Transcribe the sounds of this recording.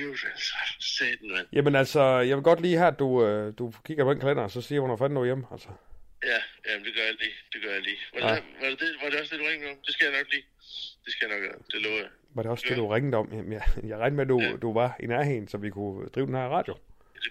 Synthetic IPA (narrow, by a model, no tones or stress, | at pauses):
udælsɐsed̥ænjʔæmenælsɒjɑʋe̝lɡ̥ɒ̽d̥liːhæɐd̥uød̥ukʰiɡ̥ɐpʰɒ̥̽enkʰælen̰ɐsɒ̽siːjʋɒnfæn̰nːojemæl̰sɒ̥jæjæmnd̥e̝ɡ̥ɶɐjal̥id̥e̝ɡ̥ɶɐjɑ̈lḭːʋɑ̥ʋɑd̥eʋɑ̈ɾe̝ɒsd̥eduʁɛŋmeɔ̽md̥e̝sɡ̥æjɑ̈nɒ̽ɡ̥liː | d̥e̝sɡ̥æjɑnɒɡ̥æd̥e̝løːʊɐja | ʋɑ̈ɾ̥e̝ɒ̽sd̥ed̥uʁeŋð̩ɒ̽m̰jæmjæjɑ̈ɪʁɑ̈ɪnmeæd̥ud̥uʋɑ̈enæɐɦeŋn̩sɒ̽ʋikʰud̥ʁḭːʊd̥enhæɐʁɑ̰̈ːd̥jo̝̥